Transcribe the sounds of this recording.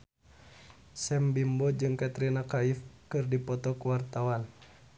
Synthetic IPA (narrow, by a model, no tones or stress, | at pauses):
sɛmbimbɔd͡ʒɨŋkat̪ɾinakaifkɨrdipɔt̪ɔkuwart̪awan